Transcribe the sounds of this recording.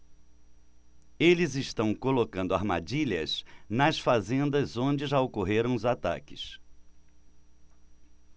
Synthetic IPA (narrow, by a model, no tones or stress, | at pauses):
elɪzɪʃt̪ɐ̃w̃kolokɐ̃nd̪ʊa̰ɾma̰d͡ʒiʎɐznɐsfazẽnd̪ɐzõd͡ʒɪʒaokoɦeɾɐ̃w̃ʊzat̪a̰kɪ̥s